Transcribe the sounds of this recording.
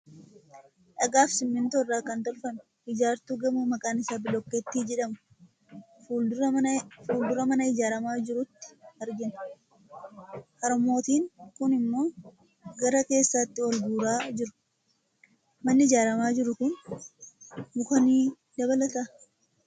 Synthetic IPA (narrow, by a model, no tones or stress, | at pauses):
ᶑɐɡaːfsɪmːɪnt̪oːrːaːkɐnt̪ɔlfɐnʊhɪd͡ʒaːɾt̪uːɡɐmumɐkʼaːnɪsaːbɪlɔkːeːt̪ːiːd͡ʒɛᶑɐmʊ̥ | fuːld̪ʊɾɐmɐnɐɪd͡ʒaːɾɐmaːd͡ʒɪɾʊt̪ːɪ̥hɐɾɡɪnɐ̥ | kɐɾɐmo̞ːt̪iːŋkʊnɪmːo̞ː | ɡɐɾɐke̞ːsːaːt̪ːɪwɐlɡuːɾaːd͡ʒɪɾʊ̥ | mɐnːɪɪd͡ʒaːɾɐmaːd͡ʒɪɾʊkʊn | mʊkɐniː | d̪ɐbɐlɐt̪ɐ